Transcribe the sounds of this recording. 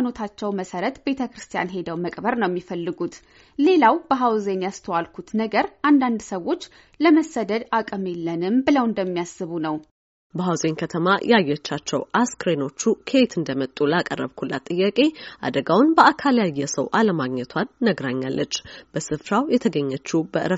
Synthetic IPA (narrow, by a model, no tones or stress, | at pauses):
no̞t̪ʰat͡ʃːɛwməsəɾət̪be̞t̪ʰəkɾɨst̪ʰija̰nɦe̞d̪əwməkʼbəɾnəwjɛmːifəlːɨɡut̪ | le̞lawb̥əɦawze̞njast̪ʰəwalkʰut̪nəɡəɾʔand̪and̪səwːo̞t͡ʃː | ləməsːəd̪əd̪akʼme̞lːənɨmbɨləwɨnd̪əmːijasːɨβunəw | bəɦawzenkʰət̪ʰəmajajːɛt͡ʃːat͡ʃːɛwʔaskɾeno̞t͡ʃːukʰe̞t̪ʰɨnd̪əmət̪ʼːulakʼərːəβkʰula̰t̪ʼɨjːakʼe̞ʔa̰d̪əɡawʊnbəakʰaljajːɛsəwʔaləmaɡɲɛt̪ʰwanːəɡɾaɲːa̰lːʔət͡ʃːb̥əsɨfɾawjɛt̪ʰəɡəɲːət͡ʃːubəʔɨɾə